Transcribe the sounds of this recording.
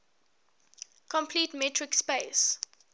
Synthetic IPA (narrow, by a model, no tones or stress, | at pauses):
kʰɔ̃mpʰliːtmɛtʰɹɪkspeːs